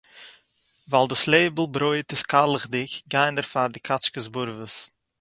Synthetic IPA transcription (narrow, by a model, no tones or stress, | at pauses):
valˠdəsleːbəl̩ˠbɾoɪtɪskalˠəχdɪçɡaɪndəɾfaɾdɪkʰat͡ʃkəzbʊɾvəs